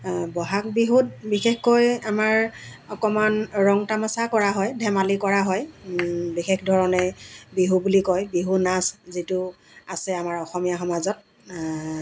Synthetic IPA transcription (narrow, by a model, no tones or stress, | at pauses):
bɔɦak̚biɦut̚bixexkɔjamaɹ | ɔkɔmanɹɔŋtamasakɔɹaɦɔjdʱɛmalikɔɹaɦɔj | bixexdʱɔɹɔnɛbiɦubulikɔjbiɦunaszitʊ | asɛamaɹɔxɔmijaxɔmazɔt̚